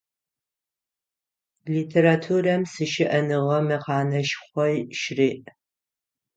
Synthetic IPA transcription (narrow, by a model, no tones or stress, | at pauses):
liːtʰeɾatʰurɐmsɨʃɪʔɐnɨʁɐmɨqɑːnɐʃχʷɔjʃriːʔ